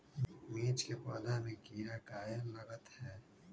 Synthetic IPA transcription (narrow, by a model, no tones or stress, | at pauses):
miːt͡ʃkepɔːlamẽɡiːɾaɡaːjənlɐɡət̪hɛː